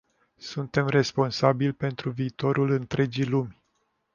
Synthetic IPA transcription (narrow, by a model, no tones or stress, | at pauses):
sunt̪e̞mre̞spo̞nsabilʲpe̞nt̪ɾuviːt̪o̞ɾulɨnt̪ɾe̞d͡ʒilumʲ